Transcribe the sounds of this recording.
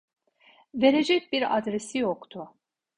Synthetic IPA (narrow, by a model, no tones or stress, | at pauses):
ve̞ɾed͡ʒɛc̚biɾa̰d̪ɾesijokt̪ʰʊ